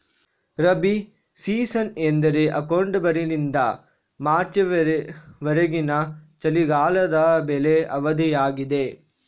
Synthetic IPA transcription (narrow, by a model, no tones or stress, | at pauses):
ɾɐbi | siːsɐnend̪ɐɾeʔɐkɐwɳɖbɐɾinind̪ɐ | maːɾt͡ʃɐ | ʋɐɾɐɡinɐt͡ʃɐliɡaːlɐd̪ɐbeleɐʋɐd̪ʱijaːɡid̪e